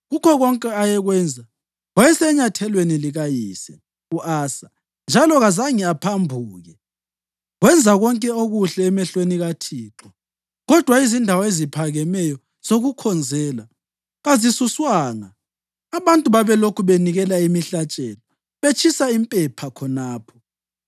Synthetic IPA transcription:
ɣukʰɔɣɔŋkʼɛajɛɣwɛnd͡zʱa | ɣwajɛsɛɲatʰɛlweniliɣajiːsɛ | uʔaːsa | nd͡ʒʱalɔɣazaŋiapʰambʱuːɣɛ | ɣwɛnd͡zʱaɣɔŋkʼɛoɣuɬɛːmɛɬweniɣatʰiːǁɔ | ɣɔd̥ʱwaizindʱawɔezipʰaɣɛmɛjɔ | z̥oɣukʰɔnd͡zʱɛːla | ɣazisuswaːŋa | aβantʼuβaβɛlokʰuβeniɣɛlaimiɬat͡ʃʼɛːlɔ | βet͡ʃʰisaimpʼɛpʰakʰɔnaːpʰɔ̥

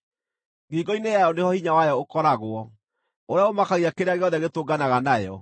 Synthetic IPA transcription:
ɡiɡɔinejajɔnehɔhiɲawajɔokɔɾaɣwɔ | oɾeaomakaɣiakeɾeaɣeɔðɛɣetoɡanaɣanajɔ

